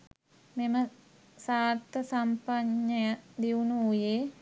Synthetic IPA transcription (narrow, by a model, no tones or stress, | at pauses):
memə | saːɾt̪əsampaɲːəjad̪iunuuje